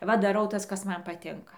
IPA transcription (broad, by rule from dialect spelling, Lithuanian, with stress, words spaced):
ˈʋɐ dɐˈrɐʊ ˈtɐs kɐs ˈmɐn pɐˈtʲɪŋkɐ